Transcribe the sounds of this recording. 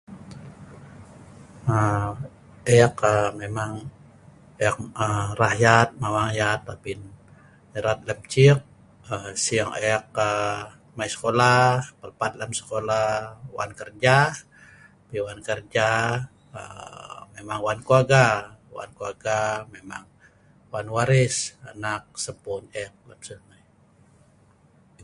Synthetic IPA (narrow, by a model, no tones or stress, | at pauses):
ə | ejakəmemaŋ | eak̚ərahjat̪̚mawaŋjat̪ːapin | eɾat̪̚ləmt͡ʃik̚ | əsiaŋejak̚ə | maisə̥kolahpəlpat̪̚ləmsə̥kolawa̰nkərd͡ʒa | apiwankərd͡ʒa | ə̰memaŋwankuaɡawa̰nkuaɡamema̰ŋ | wanwaɾɪsanak̚səpunɛk̚la̰psəna